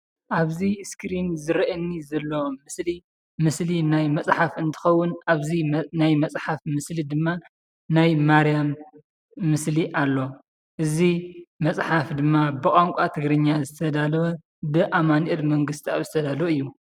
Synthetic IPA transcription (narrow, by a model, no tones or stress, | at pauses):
ʔaβziskɾinzɨɾɐʔɐnːizɐlːomɨsli | mɨslinajmɐsʼħafɨnt̪ʰɨ̥xɐwːʊnaβzinajmɐsʼħafmɨslid̪ɨmːa | najmaɾijamː | ɨsliʔalːo̞ | ʔɨzimɐt͡sʼħafd̪ɨmːabɨkʼaŋkʷʼat̪ʰɨɡɾɨɲːazɨt̪ʰɐd̪alw | bɨʔamanʔɛd̪mɐŋɡɨst̪ʰiaβzɨt̪ʰɐd̪alwɨjːu